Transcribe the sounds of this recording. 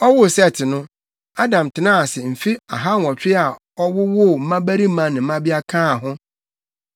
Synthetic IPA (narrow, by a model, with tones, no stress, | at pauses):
ɔ˦wʊ˦˨sɛ˦˨tʰɪ˨nʊ̃˦ | a˦dã˨m˨tʰɪ˨nã˦a˨sɪ˨m̩˨fi˦a̰˨ɦa˦n˨ɔ̃˨t͡ɕʰᶣɪ˦a˨ | ɔ˦wʊ˦wʊ˦˨m̩˦mã˦bæ˦ɾi˦mã˦nɪ̃˨m̩˦mã˦bi˦a˦kʰãː˦˨hʊ̃˦